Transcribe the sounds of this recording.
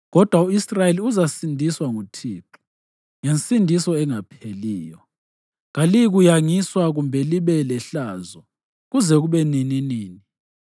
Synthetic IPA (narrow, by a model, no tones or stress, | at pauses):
ɣɔd̥ʱwauisrajeliuzasindʱiswaŋutʰiːǃu̥ | ŋensʼindʱisɔɛŋapʰeliːjɔ | ɣaliɣujaŋiswaɣumbʱɛliβɛlɛɬaːzɔ | ɣuzɛɣuβɛnininiːni